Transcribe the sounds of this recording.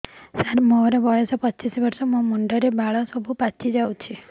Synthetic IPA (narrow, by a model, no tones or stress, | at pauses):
saɾmoɾɔbɔjɔsɔpɔt͡ʃisɔbɔɾsɔmũmuɳɖɔɾebaɭɔsɔbʱupat͡ʃʰid͡ʒawt͡ʃʰi